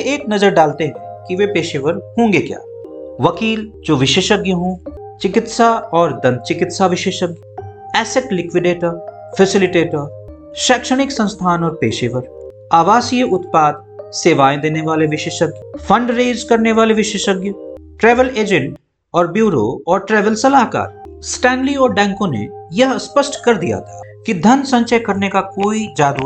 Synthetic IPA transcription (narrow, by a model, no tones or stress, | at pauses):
eːknɐzəɾɖaːlt̪eɦɛ̃kiʋepeːʃeʋəɾhõːŋɡekja̰ːʋɐkiːld͡ʒoːʋɪʃeːʃəɡjəɦõː | t͡ʃɪkɪt̪saɔːɾd̪ɐ̃nd̪̚t͡ʃɪkɪt̪saʋɪʃeːʃəɡjəɛːsɪʈlɪkʋɪɖeːʈəɾ | fʰɛsɪlɪʈeːʈəɾ | ʃɛːkʃəɽ̃ɪksɐ̃nst̪ʰaːnɔːɾpeːʃeːʋəɾ | aːʋaːsijəʊt̪paːd̪̚ | seːʋaːẽd̪eːneʋaːleʋɪʃeːʃəɡfʰɐ̃ɳɖɾeːd͡ʒkɐɾneʋaːleʋɪʃeːʃəɡjʈɾɛːʋəleːd͡ʒɛ̃ɳʈ | ɔːɾbjuːɾo̰ɔːɾʈɾɛːʋəlsɐlaːɦka̰ːɾsʈɛ̃ːnliɔːɾɖɛ̃ːŋkõnḛjɐɦɐspəsʈkɐɾd̪ija̰t̪ʰakid̪ʱɐnsɐ̃ɲt͡ʃəkɐɾnekakoːid͡ʒaːɾuː